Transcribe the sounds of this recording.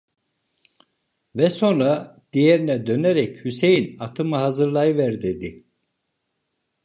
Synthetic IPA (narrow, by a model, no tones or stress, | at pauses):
vɛso̞nɾad̪̥ijeɾinɛd̪ø̞neɾɛchysejinat̪ʰɯmɯhazɯɾlˠajɯvɛɾd̪ed̪i